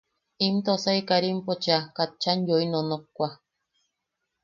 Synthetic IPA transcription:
imt̪osaikaɾimpot͡ʃakat̪̚t͡ʃanjoinonokːʷa

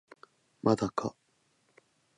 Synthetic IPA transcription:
mʔad̪aka

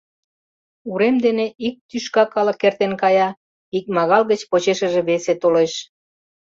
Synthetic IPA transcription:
uɾemd̪eneʔik̚t̪yʃkɑkɑlə̆kːert̪enkɑjɑ | ik̚mɑɣɑlɣət͡ɕpot͡ɕeʃə̆ʒeβeset̪oleʃ

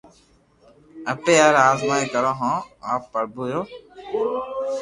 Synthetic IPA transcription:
əpeːaːɾaːzmaːĩkəɾãːɦãːaːpːəɾbuːjoː

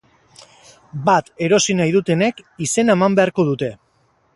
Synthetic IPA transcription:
bat̪e̞ɾo̞sinajðut̪e̞ne̞kise̞naemambe̞aɾko̞ð̞ut̪e̞

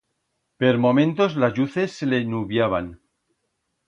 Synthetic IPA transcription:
peɾmõ̞mẽ̞nt̪ozlazʝuθe̞sːelenuβjaβ̞a̰n

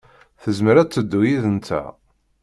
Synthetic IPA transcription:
θəzməɾæt͡sːəd̪ːujiðənt̪ʰæ̰

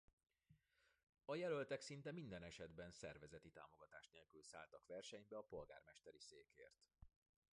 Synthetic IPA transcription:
ɒjɛlø̞lt̪ɛksin̪t̪ɛmind̪ɛnɛʃɛd̪bɛnsɛrvɛzɛt̪it̪a̰ːmo̞ɡɒt̪aːʃneːlkylsa̰ːlt̪ɒkʋɛrʃɛɲbɛɒpo̞lɡa̰ːrmɛʃt̪ɛɾiseːkḛːrt̪

